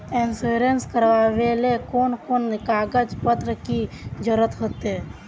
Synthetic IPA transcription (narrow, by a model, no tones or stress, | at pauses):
ensuɾenskəɾʋaʋelekoːnkoːnkaːɡəd͡ʒpət̪ɾəkid͡ʒəɾət̪ɦot̪e